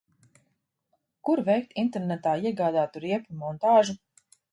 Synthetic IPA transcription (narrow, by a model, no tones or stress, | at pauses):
kuɾvɛjk̚t̪int̪ɛɾnɛt̪aːiɛɡaːd̪aːt̪uɾiɛpumɔnt̪aːʒu